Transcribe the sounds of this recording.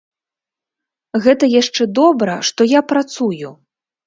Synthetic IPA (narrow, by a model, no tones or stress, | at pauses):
ɣɛt̪ɐjaʂt͡ʂɛd̪ɔbɾɐʂt̪ɔjapɾat̪suju